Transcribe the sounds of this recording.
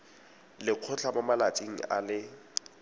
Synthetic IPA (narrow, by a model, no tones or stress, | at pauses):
lɪq͡χʰʊt͡ɬʰamamalat͡sʼiŋ̩a̰lɪ